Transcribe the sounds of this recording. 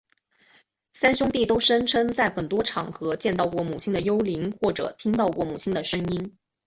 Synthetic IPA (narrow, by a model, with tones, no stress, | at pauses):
sa˥nɕjʊ˥ŋt̪i˥˩t̪o˥ʊʂə˥ŋʈ͡ʂʰɤ˥ŋt͡sa˥˩ɪxə˨˩nt̪wɔ˥ʈ͡ʂʰɑ˨˩ŋxɤ˧˥t͡ɕjɛ˥˧nt̪ɑ˥˧ʊkwɔ˥˩mu˨˩t͡ɕʰi˥nd̪ə˨jo˥ʊli˧˥ŋxwɔ˥˩ʈ͡ʂɤ̰˨˩t̪ʰi˥ŋt̪ɑ˥˧ʊkwɔ˥˩mu˨˩t͡ɕʰi˥nd̪ə˨ʂɤ˥ŋi˥n